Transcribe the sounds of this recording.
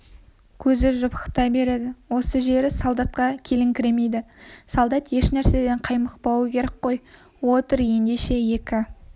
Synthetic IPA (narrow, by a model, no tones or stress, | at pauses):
kʲʰɵzɪʒʊpə̥qt̪ɑjbe̞ɾe̞d̪ɪwo̞səʒe̞ɾɪsɑlˠd̪ɑt̪̚qɑkʲʰe̞lɪŋkʲʰɪɾe̞mejd̪ɪsɑlˠd̪ɑt̪je̞ʃnæɾse̞d̪e̞ɴqʰɑjməqpɑwkʲʰe̞ɾek̚qo̞j | wo̞t̪əɾe̞nd̪e̞ʃe̞je̞kʲɪ